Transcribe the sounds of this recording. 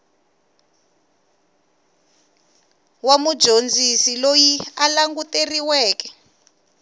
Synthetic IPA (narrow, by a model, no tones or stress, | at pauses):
wamud̥ʒ̥ʱond͡zʱisilojialaŋɡuteriwɛːkɛ̥